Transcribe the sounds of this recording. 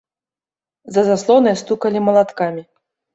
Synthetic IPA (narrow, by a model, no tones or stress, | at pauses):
zɐzaslˠɔnɨjɐst̪ukɐlʲimɐlˠat̪kamʲi